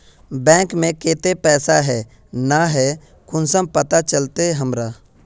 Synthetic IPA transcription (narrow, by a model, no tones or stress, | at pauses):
bɛ̃ːŋkmẽkeːt̪epɛːsaɦɛː | naɦɛ | kʊnsəmpət̪at͡ʃəlt̪eɦəmɾaː